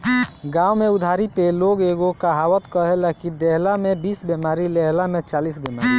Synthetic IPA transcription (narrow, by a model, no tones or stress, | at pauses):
ɡaumeud̪ʱaɾipeloɡeɡokaɦawət̪kəɦelakid̪eɦlamebisbemaɾileɦlamet͡ʃalisbemaɾi